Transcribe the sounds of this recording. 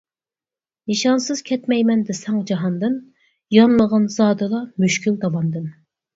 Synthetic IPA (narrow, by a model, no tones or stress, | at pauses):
nɨʃɑnsɨz̥kʲʰɛt̪mɛjmɛnd̪ɪsɛŋd͡ʒɑɦɑnd̪ɨm | jɑnlˠəʁənzɑːd̪ɨlˠɑmyʃkʲyld̪ɑlɑnd̪ɨm